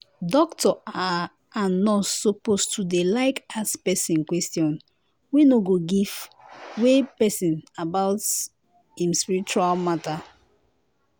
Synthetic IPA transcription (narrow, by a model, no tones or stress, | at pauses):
dɔktɔa | anːɔtsopostudelaɪkaspɛsĩnkwɛstjɔ̃n | winoɡoɡivwepɛsĩnabaʊts | ĩmspiɹit͡ʃualmata